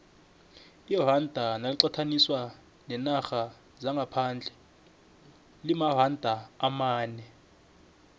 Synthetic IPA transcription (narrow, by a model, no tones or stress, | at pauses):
iɦandʱanaliǀatʰaniswa | nɛnaxa | zaŋɡʱapʰand͡ɮʱɛ | limaɦandʱaːmaːnɛ